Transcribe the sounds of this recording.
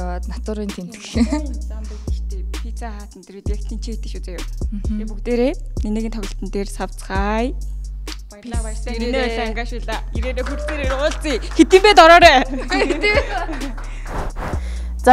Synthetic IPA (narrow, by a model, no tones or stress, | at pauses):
at̪nat̪ʊːɾʊint̪ʰem̥t̪kɮt͡samt̪ut̪i̥t͡ɕt̪eːpʰit͡sʰaχaːt̪ə̆nt̪eɾiːt̪akt̪ʰint͡ɕʰit̪ɘ̆ʃut͡seːjʊ̰mepukt̪eːɾeːneneːɣiːnt̪ʰɔɣʲɪ̆ɬt̪ə̆nt̪eːrsaw̥t͡sχaːj | pajrɮaːparsəŋeeenesaŋɡaːʃiːɮaːeɾeːneːxuɾseːɾeɾʊːɮt͡siːxet̪iːmpæːt̪ɔɾɔːɾæː | t͡s